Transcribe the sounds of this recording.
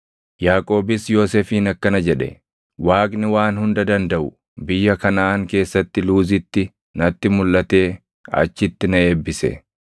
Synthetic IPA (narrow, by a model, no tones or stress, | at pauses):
jaːkʼo̞ːbɪsjo̞ːseːfiːnɐkːɐnɐd͡ʒɛᶑɛ̰ | waːkʼnɪwaːnhʊnd̪ɐd̪ɐnd̪ɐʔʊ | bɪjːɐkɐnaːŋke̞ːsːɐt̪ːɪluːzɪt̪ːɪ | nɐt̪ːɪmʊlʔɐt̪e̞ː | ɐ̰t͡ʃːɪt̪ːɪnɐe̞ːbːɪsɛ̰